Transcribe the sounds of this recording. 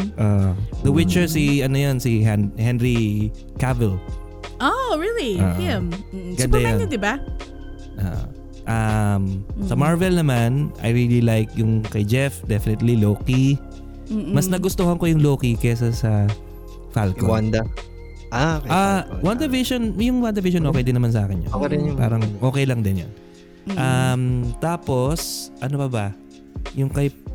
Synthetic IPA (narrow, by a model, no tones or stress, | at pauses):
ʔod̪ɐwɪtt͡ʃɛɹsiʔɐnojonsiɛhɛnɹi | kavɛl | ʔoɹilio̰ːʔm̩ɡɐnd̪ajand̪ɪba | ʔo̰ːʔo̰ | ʔɐmsɐmaɹvɛlnɐmanʔɐ̰jɹililajk̚jʊŋkɐjd͡ʒɛfd̪ɛfɪnɪt̪liloːki | mɐsnɐɡʊst̪ohɐnŋkojʊŋloːkikɛjs̬ɐsɐ | falkowand̪ɐ | ʔakawand̪ɐvɪʃonjʊŋwand̪ɐviʃonʔoːkɛjd̪ɪnːɐmans̬ɐʔaːkɪno̰ɾɪnpa̰ːɾɐŋʔo̞ːkɛjlɐŋd̪ɪnjo̰n | ʔɐmt̪aːpo̞sʔɐnopɐbɐ | jʊŋkɐj